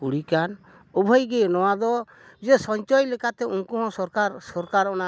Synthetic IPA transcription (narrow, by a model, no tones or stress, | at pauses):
uɽikan | ubʱɔjɡɛnɔwad̪ɔ | d͡ʒɛsɔɲt͡ʃɔjlɛkat̪ɛuŋkuɦɔ̃sɔɾkasɔɾkaɾɔna